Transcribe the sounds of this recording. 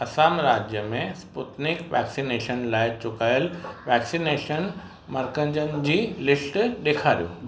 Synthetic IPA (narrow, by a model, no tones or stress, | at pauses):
ɐsaːmɾaːd͡ʑjəmẽspʊʈnɪkʋɛːksineːʃənlaːɪt͡ɕʊkaːjəlʋɛːksineːʃən | mɐɾkə̃ɲd͡ʑənɪ̆d͡ʑiːlɪsʈɗeːkʰaːɾijo̰ː